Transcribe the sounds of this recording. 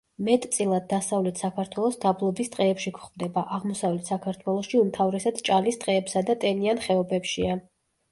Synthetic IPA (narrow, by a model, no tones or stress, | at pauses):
mɛt̪ʼt̪sʼilˠad̪̚ːasavlɛt̪ʰsakʰaɾt̪ʰwɛlˠɔsd̪ablˠɔbist̪ʼqʼɛːpʃikʰχvd̪ɛbaʔaʁmɔsavlɛt̪ʰsakʰaɾt̪ʰwɛlˠɔsʃiumt̪ʰavɾɛsad̪̥t͡ʃʼalist̪ʼqʼɛːpsad̪at̪ʼɛnianχɛɔbɛpʃia